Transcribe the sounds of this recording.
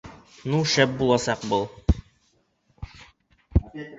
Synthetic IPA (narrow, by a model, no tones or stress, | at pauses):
nuʃæp̚bulˠɑsɑqbɤlˠ